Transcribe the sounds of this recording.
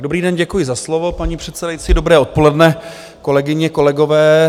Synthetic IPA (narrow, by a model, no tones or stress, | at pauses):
dobɾiːdɛnɟɛkujɪzaslo̞vo̞paɲipr̝̥ɛt̪sɛdajit͡siːdo̞bɾɛːo̞t̪̚po̞lɛdnɛ | ko̞lɛɡɪɲɛko̞lɛɡo̞vɛː